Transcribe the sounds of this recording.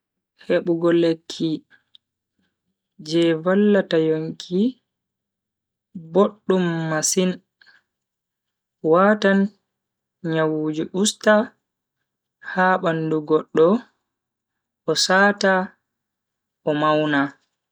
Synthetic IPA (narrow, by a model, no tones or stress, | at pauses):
heɓuɡɔlekʰːi | d͡ʒɛvalːatajoŋkʰi | boɗːumːasin | watan | ɲawud͡ʒiʔusta | haːɓanduɡɔɗːɔ | ʔɔsaːta | ʔɔmawna